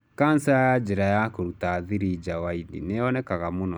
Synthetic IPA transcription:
kansajad͡ʑɛɾajakoɾutaðiɾid͡ʑawainḭneɔnɛkaɣamonɔ

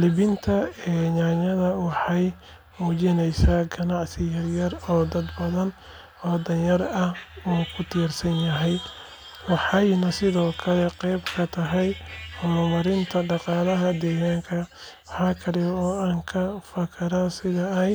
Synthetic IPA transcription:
lɪbɪnt̪ʰɐɛːɲaːɲɐðɐwɑħɑj | muːt͡ʃɪnɛjsaːɡɐnɑʕsɪjɐrjɐrɔːd̪ɐd̪bɐðɐn | ɔːd̪ɐnjɐrɐhuːkʰʊt̪ʰirsɐnjɐɦɛj | wɑħɑjnɐsɪðɔːkʰɐlɛqɛjbkʰɐt̪ʰɐɦɛjʊmɐmɐɾɪnt̪ʰɐɖɑqɑːlɐɦɐd̪ɛːɣaːŋkʰɐwɑħɑːkʰɐɾɪβɔːaːŋkʰɐfɐkʰɐɾasɪðɐɛj

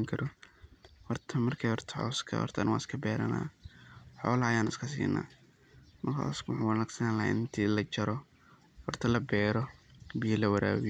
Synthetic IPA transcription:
ŋkʰɐɾɔ | hɔrt̪ʰɐmɐrkʰɛːjhɔrt̪ʰɐ̥ʕɔ̰ːskʰɐ̰hɔ̰rt̪ʰɐnwaːɪskʰɐbɛːɾɐ̰na̰ːħɔ̰ːlɐɐjaːnɪskʰɐsḭːnːa̰ː | mɐrkʰa̰ːɔskʰʊwɑħuːwɑnaɡsɐnla̰ʔɪnt̪ʰiːlɐt͡ʃɐɾɔ | hɔrt̪ʰɐlɐbɛːɾɔbijɐlɐwɐɾa̰ːwɪ

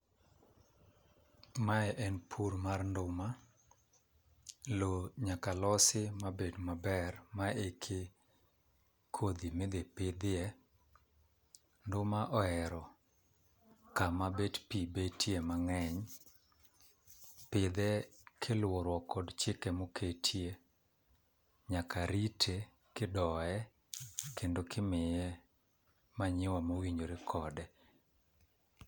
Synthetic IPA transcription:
maɛʔɛnpʰuɾmarndʊma | loɲakalɔsɪmabedmabɛrmaekʰe | kʰod̪imed̪epɪd̪ɪɛ | ndʊmaʔɔɛɾɔ | kamabetpibetʰjemaŋɛɲ | pɪd̪ɛkʰɪlwoɾwɔkʰɔdt͡ʃɪkɛmokʰetʰje | ɲakaɾitʰe | kɪdɔɛ | kendokʰɪmɪjɛ | maɲɪwamowiɲd͡ʒoɾɪkʰɔdɛ

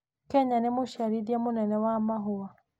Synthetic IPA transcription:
kɛɲanemoʃaɾiðiamonɛnɛwamaɦoa

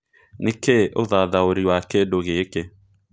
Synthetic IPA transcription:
nekeʔoðaðaoɾiwakedoɣeke

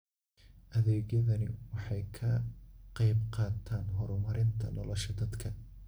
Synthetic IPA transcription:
ʔɐðɛːɣjɐðɐnɪwɑħɑjkʰɐqɑjbqɑːt̪ʰaːnɦɔɾʊmɐɾɪnt̪ʰɐ̰nɔlɔʃɐd̪ɐd̪kʰɐ

